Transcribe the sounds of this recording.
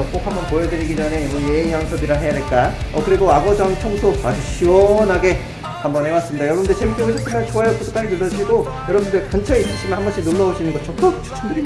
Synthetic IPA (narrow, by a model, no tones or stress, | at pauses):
ʌkk͈okhambʌnpojʌdɯɾiɡid͡ʑʌne̞ibʌnjeinjaŋsʰʌbiɾaɦe̞jade̞ɭk͈aʌkɯɾiɡoaɡʌd͡ʑʌnt͡ɕʰʌŋsʰoad͡ʑuɕʰiwʌnɦaɡe̞ | hambʌnhewas͈ɯmɲidajʌɾʌbundet͡ɕemik͈jʌŋsʰʌs͈ʰemant͡ɕoajʌk͈otʰkt͈aɾinɯlːʌd͡ʑʰiɡo | jʌɾʌbundɯɭkant͡ɕʰʌis͈ɯɭɕ͈inɯnhambʌɕʰinuɭːʌoɕ͈ʰinɯnɡʌt͡ɕʰʌk̚t͈ʌt͡ɕʰo̥t͡ɕʰʌŋdɯɾi